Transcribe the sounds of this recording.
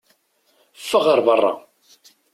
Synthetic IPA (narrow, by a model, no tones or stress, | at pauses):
fːəʁəɾˤbərˤːɑ̰